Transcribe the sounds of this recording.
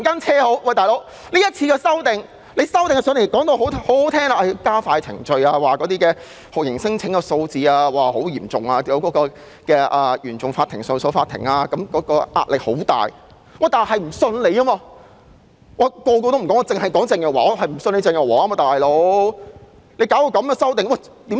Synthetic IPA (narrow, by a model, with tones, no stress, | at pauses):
kaː˥nt͡sʰɛː˥ho˨˥wwa˨˩jt̪aː˨˩jlo˨˥w | liː˥jɐ˥t̚t͡sʰiː˧kɛː˧sɐ˥wt̪ɪ˨ŋ | le˨˧jsɐ˥wt̪ɪ˨ŋɐ˨˩sœ˨˥n˨˩˨kɔː˨˥ŋt̪o˧wɦo˨˥who˨˥ht̪ʰɛː˥ŋla˨˧ʔɐ˨˩kaː˥faː˧jt͡sʰɪ̰˨˩ŋt͡ʃɵ˧ɥaː˧waː˨kɔː˨˥t̪iː˥kɛː˧ | hʊ˨˩kjɪ˨˩ŋsɪ˥ŋt͡sʰɪ˨˥ŋkɛ˧so˧wt͡siː˧aː˧waː˨˩ho˨˥wjiː˨˩mt͡sʊ˨ŋaː˧jɐ˨˧wkɔː˨˥kɔː˧ | kɛː˧ʔɐː˨jyː˨˩nt͡sʊ˨ŋfaː˧t̪ʰɪ˨˩ŋso˨˧wso˨˧˥wfaː˧t̪ʰɪ̰˨˩ŋaː˧kɐ˨˥mkɔː˨˥kɔː˧ʔa̰ː˧t̚lɪ˨k̚ho̰˨˥wt̪a̰ː˨˩j | waː˨˩t̪aː˨˩nhɐ˨jm̩˨˩sɵ˧nle˨˧jkɐ˥maː˧ | wʔaː˨˩kɔː˧kɔː˧t̪o˥m̩˨˩kɔː˨˥ŋɔː˧˩t͡sɪ˨ŋhɐ˨jkɔː˨˥ŋt͡sɪ˨˧ŋjɐ˨˩waː˨ɔː˨˧hɐ˨jm̩˨˩sne˧t͡sɪ˨˧ŋjɔ˨˩waː˨˥a˥˦ma˨˧˩t̪aː˨˩jlo˨˥w | le˨˧jkaː˨˥wjo˨˧˩kɐ˨˧mjːsɐ˥wt̪ɪ˨ŋwɐ˨˩ | t̪iː˨˥m